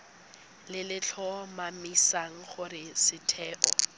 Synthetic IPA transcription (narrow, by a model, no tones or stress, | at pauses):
lɪlɪt͡ɬʰɔmamisaŋ̩χʊrɪsɪtʰɛːʔɔ